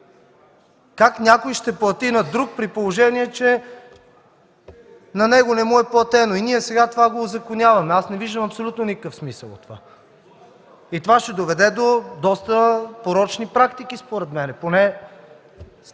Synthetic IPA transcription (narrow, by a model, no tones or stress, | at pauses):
kaknʲjakojʃt̪ɛplˠɐt̪inɐd̪ɾuk̚pɾipolˠoʒɛniɛt͡ʃɛ | nɐnɛɡonɛmuɛplˠɐt̪ɛnoiniɛsɛɡat̪ovaɡozɐkonʲjavɐmɛasnɛviʒd̪əmɐpsolʲut̪nonikəkəfsmisə̰lˠo̰t̪ːova̰ | it̪ovaʃt̪ɛd̪ovɛd̪ɛd̪od̪ɔst̪əpoɾɔt͡ʃnipɾakt̪ik̟ispoɾɛt̪mɛnɛponɛ